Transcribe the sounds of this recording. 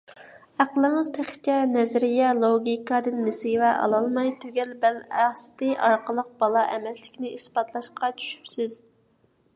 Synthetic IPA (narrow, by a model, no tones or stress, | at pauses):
æqəlˠəŋəzt̪ʰæχt͡ʃɛnɛzɾɪjɛlˠoɡʲikʰɑd̪ɨnːɪsevɛʔɑ̰lˠɑlˠmɑjt̪ʰøɡʲɛlbælæst̪ɪʔɑɾqəlˠəq̚bɑlˠɑʔɛmɛslɪkʲnɪʔisbɑt̪ʰlˠɑʃqɑt͡ʃʰy̥ʃy̥psɪz̥